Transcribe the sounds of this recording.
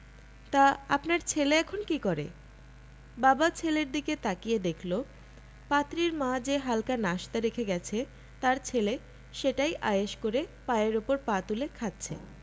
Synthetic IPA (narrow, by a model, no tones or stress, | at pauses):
t̪aapnaɾt͡ɕʰeleɛkʰonkikɔɾḛ | babat͡ɕʰeleɾd̪iket̪akijed̪ekʰlo | pat̪ɾiɾmãd͡ʑeɦalkanaʃt̪aɾekʰeɡɛt͡ɕʰe | t̪aɾt͡ɕʰele | ʃeʈajʔajeʃkoɾepaeɾupoɾpat̪ulekʰat̪ːt͡ɕʰḛ